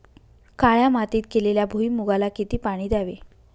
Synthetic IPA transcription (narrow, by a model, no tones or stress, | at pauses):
kaɭjamat̪iːt̪̚keleljabʱuimuɡalakit̪iːpaɽ̃iːd̪aʋe